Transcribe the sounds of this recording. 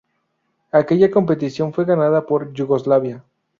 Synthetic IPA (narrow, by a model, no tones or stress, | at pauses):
ake̞ʝako̞mpe̞t̪isjo̞nfwe̞ɣanaðapo̞ɾʝuɣo̞zlaβja